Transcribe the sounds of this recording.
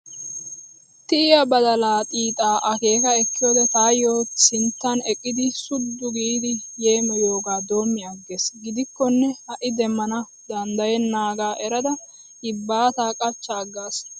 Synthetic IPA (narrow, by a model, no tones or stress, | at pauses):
t̪ɪɪjɐbɐd̪ɐlaːt̪ʼiːt̪ʼaːʔɐke̞ːkɐɛkːɪjoːd̪ɛt̪aːjoːsɪnt̪ːɐnɛkʼːɪd̪ɪsʊd̪ːʊɡiːd̪ɪjeːmɛjoːɡaːd̪o̞ːmːɪjɐɡːesɡɪd̪ɪkːɔnːɛhɐʔɪd̪ɛmːɐnɐ | d̪ɐnd̪ɐjɛnːaːɡaːʔɛɾɐd̪ɐ | ɪbːaːt̪aːkʼɐt͡ʃːɐːɡːaːs